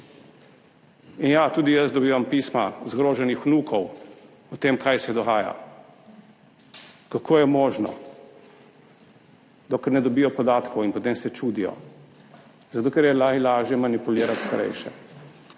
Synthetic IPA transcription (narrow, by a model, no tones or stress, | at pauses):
injat̪uːd̪ijəzd̪ɔbiːʋampiːsmazɡɾoːʒɛnixnuːkʰɔw | ɔt̪emkʰajsɛd̪ɔɣaːja̰ | kakʰoːjɛmoːʒnɔ̰ | d̪ɔkɛɾnɛd̪ɔbijɔpɔd̪aːt̪kɔwinpɔt̪eːmsɛt͡ʃuːd̪ijɔ̰ | zat̪oːkɛɾjɛlalaːʒjɛmanipuliːɾat̪st̪aɾɛ̰jʃɛ̰